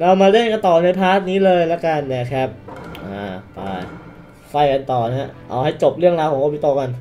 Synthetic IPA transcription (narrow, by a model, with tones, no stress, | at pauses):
ɾa˧wmaː˧ɾe˥˩˨nka˧nt̪ɔː˨˩na˧jpʰaː˦˥˩t̪̚niː˦˥lɤː˧jlɛ˦˥ka˧nːɛ˧˥˩kʰa˦˥p̚ʔaː˨˩pa̰˧j | fa˧˩jka˧nt̪ɔː˨˩na˦˥˧ʔa̰˧˩wha˥˩jt͡ɕo˨˩p̚ɾɯ˥˩əŋɾaː˧wkʰɔː˩˦ŋko˧piː˧t̪o˧ka˧n